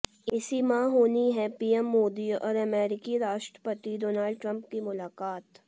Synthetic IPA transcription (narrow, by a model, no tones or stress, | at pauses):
ɪsimãɦoːniɦɛ̃piːɛmːoːd̪iɔ̰ːɾɐmɛːɾɪkiɾaːʃʈɾəpət̪iɖoːnaːlɖʈɾə̃mp̚kimʊlaːkaːt̪